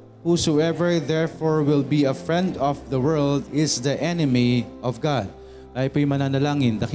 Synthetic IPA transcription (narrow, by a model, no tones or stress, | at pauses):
husoɛvɛɹðɛɹfoɹwɪlbiɐfɹɛ̃nd̪ɔfðɐwɜɹld̪ɪsðɐʔɛnɪmiʔɔvɡad̪̚ | kaːhɪpojmɐnaːnɐlaːŋɪnd̪ɐk